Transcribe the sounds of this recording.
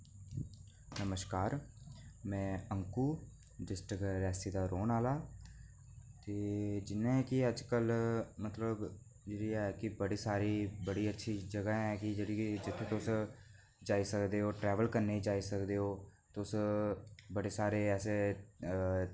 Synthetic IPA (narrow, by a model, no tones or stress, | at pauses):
nəməʃkaːɾ | mɛ̃ːəŋkuː | ɖɪsʈəkɾɛːsiːd̪aːɾoːnaːlaː | t̪eːd͡ʒɪnẽːkɪəd͡ʒkəlmət̪ləb | d͡ʒeːɽiːɛkɪbəɽiːsaːɾiːbəɽiːətːʃʰiːd͡ʒəɡaɛ̃ːkɪd͡ʒeːɽiːkd͡ʒɪt̪ʰːẽːt̪ʊs | d͡ʒaːisəkd̪eːɦoːʈɾɛːʋəlkəɾneːiːd͡ʒaːisəkd̪eːɦoːt̪s | bəɽeːsaːɾeːɛːseː